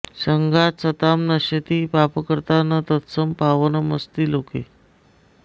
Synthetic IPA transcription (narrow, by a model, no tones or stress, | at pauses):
ɕəŋɡasət̪amnəɕet̪iːpapəkəɾt̪anət̪ət̪səmpaʋənəməst̪iːlokḛ